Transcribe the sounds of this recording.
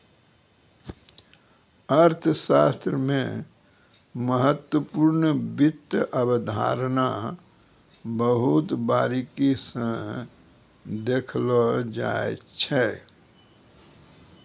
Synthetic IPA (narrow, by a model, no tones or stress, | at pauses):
əɾt̪ʰəʃast̪ɾəmẽ | məɦət̪wəpuːɾnbit̪ːəʔəbəd̪ʱa̰ɾna | bəɦut̪baːɾikisə̃ | d̪ekʰləd͡ʒa̰ḛt͡ʃʰɛ